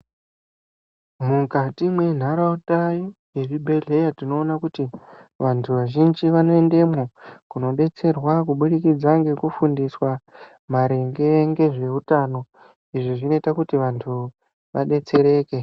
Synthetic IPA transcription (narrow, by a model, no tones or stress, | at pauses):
mukatimwe̞n̤aɾautaijeʐibʱe̞ɮe̞jatino̞ːnakutiʋantʰuʋaʒind͡ʒiʋano̞e̞nde̞mokuno̞ɗe̞t͡se̞rwakuɓuɗikid͡zaŋɡe̞kufundiswa | maɾe̞ŋɡe̞ŋɡe̞ʐe̞utano̞ | iʐiʐino̞itakutiʋantʰu | ʋa̰ɗe̞t͡se̞ɾe̞ːke̞